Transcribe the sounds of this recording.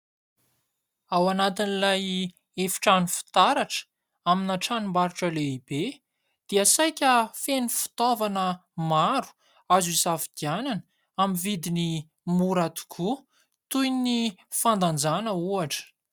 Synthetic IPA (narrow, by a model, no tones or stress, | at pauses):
awanat̪inilaj | efi̥ʈ͡ʂanufi̥t̪aɾaʈ͡ʂə̥ | aminaʈ͡ʂanimaɾuʈ͡ʂəleibe | d̪̥iasajkʲəfenifu̥t̪ovanəmaɾu̥ | azuizavid̪̥iananə | amivid̪ini | muɾat̪u̥kʰu | t̪ujnifand̪and͡zanəuaʈ͡ʂə̥